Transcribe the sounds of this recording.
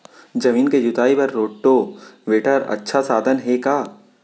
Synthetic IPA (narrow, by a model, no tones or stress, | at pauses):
d͡ʒɐmiːnked͡ʒʊt̪aːipɐɾːoːʈoːʋeːʈəɾɐ̰tːʃʰasaːd̪ʱənɦekaː